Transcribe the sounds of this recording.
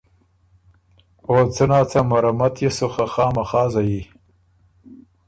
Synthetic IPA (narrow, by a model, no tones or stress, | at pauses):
oːt͡sənaːt͡samaɾamat̪ʰjesoxaxɑːmaxɑːzaji